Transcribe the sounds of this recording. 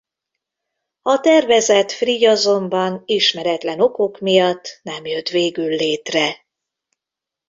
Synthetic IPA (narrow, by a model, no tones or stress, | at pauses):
ɒt̪ɛrvɛzɛt̪frijɒzo̞mbɒniʃmɛɾɛt̪lɛno̞kokmijɒt̪ːnɛmjø̞t̪ʋeːɡylːeːt̪rɛ